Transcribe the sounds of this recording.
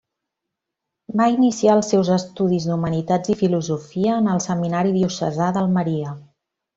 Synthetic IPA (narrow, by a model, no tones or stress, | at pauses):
bainisiaəlˠsːɛwzəst̪uðizd̪umənit̪ad͡zifiluzufiəːnəlˠsəminaɾiðiusə̰zaðəlˠməɾiə